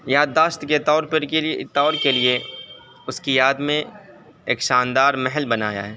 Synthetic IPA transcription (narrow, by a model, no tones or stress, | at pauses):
jaːd̪ːaːʃt̪ket̪ɔːɾpɐɾet̪ɔːɾkelie | ʊskijaːd̪mẽ | ḛːkʃaːnd̪aːɾmɛɦɛlbɐnaːja̰ɦɛː